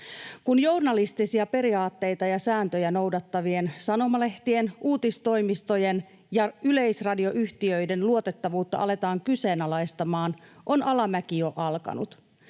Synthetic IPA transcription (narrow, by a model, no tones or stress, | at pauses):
kunjo̞rnɑlist̪isiɑpe̞ɾiɑːt̪ːe̞jt̪ɑjɑsæːnt̪øjæno̞wdɑt̪ːɑʋie̞nsɑno̞mɑle̞ht̪ie̞nuːt̪ist̪o̞jmist̪o̞je̞n | jɑyle̞jsrɑdio̞ʔyçt̪iøjde̞nluo̞t̪e̞t̪ːɑʋuːt̪ːɑ̰ʔɑle̞t̪ɑːŋkyse̞ːnɑlɑjst̪ɑmɑːnʔo̞nɑlɑmækijo̞ʔɑlkɑ̰nṵt̪